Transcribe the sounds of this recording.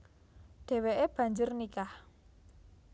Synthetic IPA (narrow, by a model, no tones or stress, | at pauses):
ɖ̥e̤weʔeb̥ä̤ɲd͡ʒʊrnikah